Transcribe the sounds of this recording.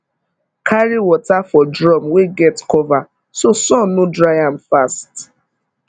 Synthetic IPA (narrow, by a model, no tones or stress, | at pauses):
kʰaɹiwɔtafɔdɹɔmweɡɛtkʰɔva | sosɔ̃nnodɹajãmfast